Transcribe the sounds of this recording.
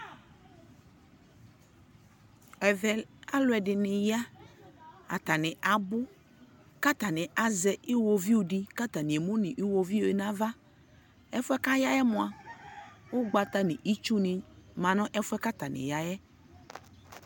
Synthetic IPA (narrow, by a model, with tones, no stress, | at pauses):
ɛ˨vɛ˨a˦lʊ˨˦ɛ˨ɖɪ˨nɪ̃˨ja˦ | a˨t̪a˨nɪ̃˨ʔa˨bʊ˦ | ka˦t̪a˨nɪ̃˨ʔa˨zɛ˨ʔi˦wo˨vi˦wu˨ɖi˦ka˦t̪a˨nɪ̃˨e˨mũ˦nɪ̃˨ʔi˦wo˨vi˦o˨e˨nã˦va˦ | ɛ˦fʊ˦ɛ˦ka˦ja˦jɛ˦mʊ̃˨˦a˨ | wo˦ɡ͡ba˨t̪a˦nɪ̃˨ʔi˦t͡ʃu˦nɪ̃˨mã˨nɔ̃˦ʔɛ˦fʊ˦ɛ˦ka˦t̪a˨nɪ̰˨ja˦jɛ˦